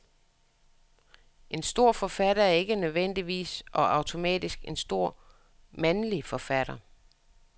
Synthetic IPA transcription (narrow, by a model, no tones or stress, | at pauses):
ʔe̝nsd̥o̝ɐ̰fɒ̽fæɾ̥ɐæɐe̝ɡ̥ənøðˠʋen̰d̥iʋḭːsʔɒ̽ʔɑ̈ʊt͡sʰo̝mɛ̰ːd̥isɡ̥e̝nsd̥o̝ɐ̰ | mænlifɒ̽fæɾ̥ɐ